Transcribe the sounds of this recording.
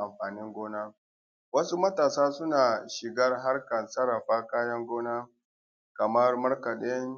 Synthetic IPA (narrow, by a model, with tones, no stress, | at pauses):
ʔa˨mɸaː˨nɪ˦ŋɡʷoː˦naː˦ | wɐ˦su˦mɐ˦taː˨saː˦sʊ˦naː˨ʃɪ˨ɡɐ˦rɦa˦rkɐ˨nsɐ˦ɽɐ˨ɸaː˦kaː˦jɐ˦ŋɡʷoː˦naː˦ | kɐ˨mɐ˦rmɐ˦ɽkɐ˨ɗɪ˦ŋ